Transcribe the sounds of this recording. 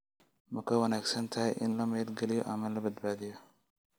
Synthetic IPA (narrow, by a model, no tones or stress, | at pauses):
mɐkʰɐwɐnaːɡsɐnt̪ʰɐhɛjʔɪnlɐmɛːd̪ɡɛlɪjɔ̰ʔɐmɐlɐbɐd̪baːðɪjɔ